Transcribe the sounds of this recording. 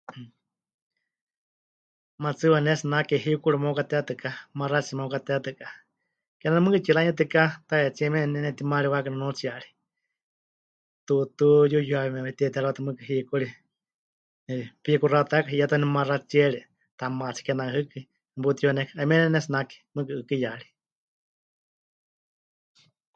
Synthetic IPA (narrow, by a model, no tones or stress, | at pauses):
mat͡sɨwanɛsinakɛɦiukuɾimokat̪ɛat̪ɨkamarat͡siɛmokat̪ɛat̪ɨka | kɛnanɛmɨ̃kɨt͡ʃiɾaɲɛt̪̬ɨkat̪aɛt͡siɛmɛnɛnɛt̪imaɾiwakɨnɛnut͡siaɺi̥ | t̪ut̪ujujuaβimɛɛt̪ɛt̪aɾwat̪ɨmɨkɨɦikuɺi | npikurat̪akaɦijat̪ɔnɛmarat͡ʃɛɺi | t̪amat͡sʰi̥kɛnaɦɨkɨ | but̪ijonɛkʰaamɛnɛnɛsnaki̥mɨkɨɨkɨjaɺi̥